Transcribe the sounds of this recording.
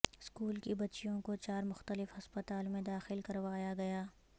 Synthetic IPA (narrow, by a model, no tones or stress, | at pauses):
skuːlkibɐtːʃijõkot͡ʃaːɾmʊxt̪əlɪfɦɐspət̪aːlmẽd̪aːxɪlkɐɾʋaːjaɡɐjaː